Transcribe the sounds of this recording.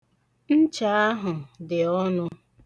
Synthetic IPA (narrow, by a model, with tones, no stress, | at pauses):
n̩˦t͡ʃa˨a˦ɦʊ˨dɪ˨ɔ˦nʊ˦